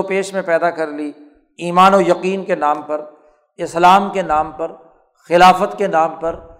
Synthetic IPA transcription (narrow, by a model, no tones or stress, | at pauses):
opeːʃmẽpɛːd̪akɐɾli | iːmaːnojɐqiːnkenaːmpɐɾ | ɪslaːmkenaːmpɐɾ | xɪlaːfət̪kenaːmpɐɾ